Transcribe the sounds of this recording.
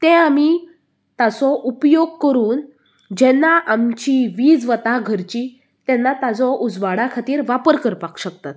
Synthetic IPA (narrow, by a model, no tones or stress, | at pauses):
t̪ẽami | t̪at͡sɔʔupjoɡ̚kəɾuːn | d͡ʑɛnːaʔamt͡ɕiʋiːd͡zʋət̪aɡʱəɾt͡ɕi | t̪ɛnːat̪ad͡zɔʔud͡zʋaɽakʰat̪iːɾʋapəɾkəɾpakɕək̚t̪at̪̚